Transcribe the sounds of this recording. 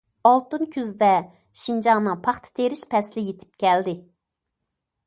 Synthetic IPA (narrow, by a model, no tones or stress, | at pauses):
ɑlˠt̪ɨnkʲʰyzd̪ɛ | ʃind͡ʒɑŋnɨŋpʰɑχt̪ʰɨ̥t̪ʰeɾɪʃpʰɛslɪjet̪ʰɪ̥p̚kʲʰɛld̪ɪ